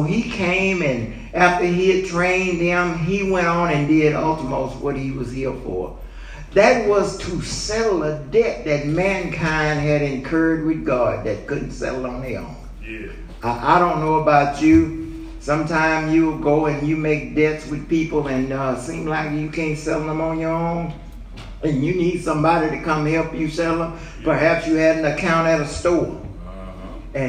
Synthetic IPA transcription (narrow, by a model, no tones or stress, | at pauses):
ikʰẽɪ̃mɨ̃n | æftə˞iɨd̚tʰɹ̥ẽɪ̃nðɨ̃miwɛ̃ɾ̃n̩ɨ̃ndɪɾɑ̰lˠtəmoʊst̚wʌt̚hiwʌz̥hiɹfə̰˞ | ðɨt̚wʌz̥tʰəsɛɾl̩ˠədɛt̪̚ðɨt̚mæ̃nkʰãɪ̃nd̚ɨɾɨ̃nkʰɜ˞d̚wɨðɡɑd̪̚ðɨt̚kʊdⁿn̩tsɛ̰ɾl̩ˠn̩iə̰̃n | ʔa̰ɪɾõʊ̃nːoʊəbaʊt͡ʃʉ | sʌ̃mtʰãɪ̃mzjɨlˠɡoʊɨ̃njɨmeɪk̚d̥ɛtswɨð̥pipl̩ˠɨ̃nʌsĩmlaɪkjɨkʰæ̃ntsɛɾl̩ˠðə̃mə̃njə˞hõʊ̃m | ɨ̃njɨnid̥sʌ̃mbɑɾiɾɨkʌ̃mhɛlˠpjɨsɛɾl̩ˠə | pʰə˞ɦæpsjɨɨɾn̩ɨkʰãʊ̃ɾ̃ɨɾɨstɔɹ | ɨ̃